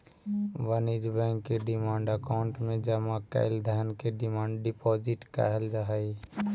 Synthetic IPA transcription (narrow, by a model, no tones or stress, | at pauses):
ʋənid͡ʒbɛ̃ːŋkːeɖɪmãːɳɖəkaʊɳʈmẽd͡ʒəmakə̰ɪld̪ʱaːnkeɖɪmãːɳɖɖɪpɔːd͡ʒɪʈka̰ɦəld͡ʒaɦəi